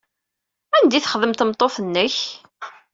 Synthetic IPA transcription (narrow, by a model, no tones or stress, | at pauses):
ænd̪iθə̥χəðəmt̪əmt̪ˤːoθənːəç